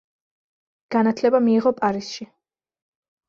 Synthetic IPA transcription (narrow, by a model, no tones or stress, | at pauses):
ɡ̥anat̪ʰlɛbamiːʁɔpʼaɾisʃi